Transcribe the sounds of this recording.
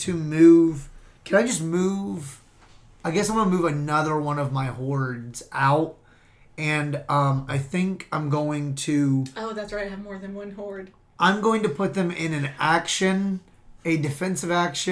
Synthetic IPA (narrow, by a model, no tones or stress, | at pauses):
tʰɨmʉv̥kʰɨ̃naɪd͡ʒʌsmuv̥ | aɪɡɛsaɪ̃wɑ̃nəmʉvɨnʌðə˞wʌ̃ñʌvmaɪhɔɹdz̥ʔaʊt̚ | ɨ̃nʌ̃maɪθɪ̃ŋkʰãɪ̃mɡoʊɪ̃ŋtʰʉaɪoʊðætsɹaɪɾ̚ɨvmɔɹðɨ̃nwʌ̃nɦɔɹd̥ | ʔãɪ̃mɡoʊɪ̃ŋtɨpʰʊt̪̚ðɨ̃mɪ̃nɨ̃nækʃɨ̃n | ɨdɨfɛ̃nsɨvækʃɨ̃